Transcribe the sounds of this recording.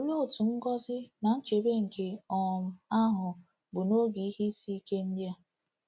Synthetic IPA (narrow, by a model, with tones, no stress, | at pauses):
o˦ɲo˦˨tu˨ŋ̩˦ɡɔ˦zɪ˦na˨n̩˦t͡ʃe˨be˦ŋ̩˨ke˨ɔ˨m̩˨a˦ɦʊ˨ | bʊ˨no˦ɡi˨i˦hi˦i˦si˦i˦ke˦n̩˦dja˦